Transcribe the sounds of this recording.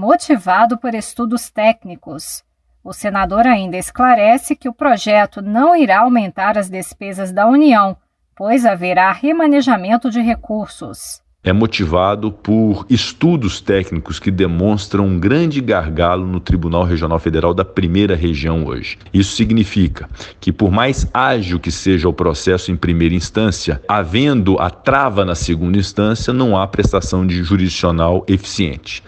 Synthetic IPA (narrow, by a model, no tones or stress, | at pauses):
mot͡ʃivad̪ʊpoɾest̪ud̪ʊst̪ɛknikʊs | ʊsenad̪oɾaĩnd̪ɐɪsklaɾɛsɪkɪʊpɾoʒɛt̪ʊnɐ̃w̃iɾaawmẽnt̪aɾɐzd̪espezɐzd̪ɐuniɐ̃w̃ | pojzaveɾahemɐneʒamẽnt̪ʊd͡ʒɪɦekuɾsʊ̰s | ɛmot͡ʃivad̪ʊpʊɾɪst̪ud̪ʊst̪ɛknikʊskɪd̪emõst̪ɾɐ̃w̃ũɡɾɐ̃d͡ʒɪɡaɾɡalʊnʊt̪ɾibunawɦeʒiõnawfed̪eɾawd̪ɐpɾimejɾɐɦeʒiɐ̃w̃o̰ʒɪ | isʊ̥siɡnifikɐkɪpoɾmajzaʒiwkɪseʒɐʊpɾosɛsʊẽj̃pɾimejɾɐĩst̪ɐ̃siɐavẽnd̪ʊʔɐ̰t̪ɾavɐnɐseɡũnd̪ɐĩst̪ɐ̃siɐnɐ̃w̃apɾest̪asɐ̃w̃d͡ʒɪʒuɾid͡ʒisionawefi̥siḛ̃nt͡ʃɪ̥